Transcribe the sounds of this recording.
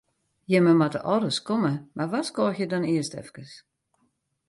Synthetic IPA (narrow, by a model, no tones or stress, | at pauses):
jɛməmatəʔɔdəskoməmarʋaskɔːxjədɔniəstɛ̰fkəs